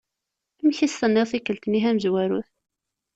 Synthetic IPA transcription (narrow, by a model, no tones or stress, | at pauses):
mçist̪ənːɪʁθikːəlt̪niɦæməzwæɾuθ